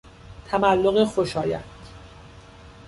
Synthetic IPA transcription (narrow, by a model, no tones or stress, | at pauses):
t̪ʰæmælːoɣexoʃɒːjæ̰t̪